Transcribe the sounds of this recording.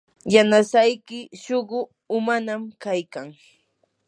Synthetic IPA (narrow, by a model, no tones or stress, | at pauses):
janasajkɪʃoɢʊ | ʊmanamkajkaŋ